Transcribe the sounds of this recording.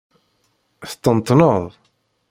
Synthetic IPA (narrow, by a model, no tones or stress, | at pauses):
θt̪ːənt̪ˤːnəðˤ